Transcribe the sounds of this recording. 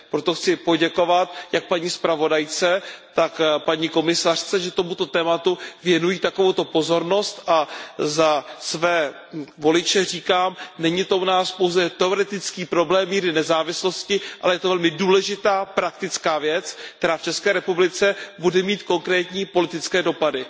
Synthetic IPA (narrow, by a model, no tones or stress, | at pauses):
pɾot̪o̞xt͡sɪpo̞ɟɛko̞vat̪jak̚paɲiːspɾavo̞dajt͡sɛt̪akpaɲiːko̞mɪsar̥t͡sɛʒɛt̪o̞mut̪o̞t̪ɛːmat̪uvjɛnujit̪akovowt̪o̞po̞zo̞ɾno̞st̪ʔazasvɛː | vo̞lɪt͡ʃɛriːkaːmnɛɲɪt̪o̞ʔunaːspo̞wzɛt̪ɛoɾɛt̪ɪt͡skiːpɾo̞blɛːmːiːɾɪnɛzaːvɪslo̞scɪʔalɛjɛt̪o̞vɛlmɪduːlɛʒɪt̪aːpɾakt̪ɪt͡skaːvjɛt͡sk̚t̪ɛɾaːft͡ʃɛskɛːɾɛpublɪt͡sɛbudɛmiːt̪ko̞ŋkɾɛːt̪ɲiːpo̞lɪt̪ɪt͡skɛːdo̞padɪ